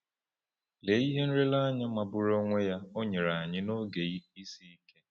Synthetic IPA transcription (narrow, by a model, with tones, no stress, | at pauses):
le˨˦i˦ɦe˦n̩˦ɾe˦la˦ɲa˦ma˨bʊ˦ɾo˦ŋʷe˦ja˦o˦ɲe˨ɾa˨a˨ɲɪ˦no˦ɡe˨˦i˦si˦i˦ke˦